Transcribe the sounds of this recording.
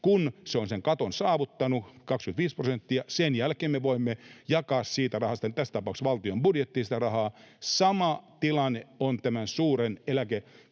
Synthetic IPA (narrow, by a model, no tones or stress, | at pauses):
kunseonseŋkɑt̪onsɑːʋut̪ːɑnukɑkskymnt̪ʋiːsprosent̪ːiɑsenjælkeːmmeʋoimːejɑkɑːssiːt̪ærɑhɑst̪ɑnit̪æst̪ɑpɑˑuksʋɑlt̪iombudjet̪ːiːsi̥t̪ærɑhɑːsɑmɑt̪ilɑnːeont̪æmænsuːrenelæke